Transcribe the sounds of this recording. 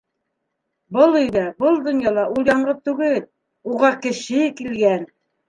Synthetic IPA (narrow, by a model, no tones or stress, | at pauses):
bɤlˠɵ̆jðæbɤlˠd̪ŏnjɑlˠɑʔujlˠɑɴɢɤp̚t̪ʉɡɘl | uʁɑkɘ̆ʃɘkilɡæn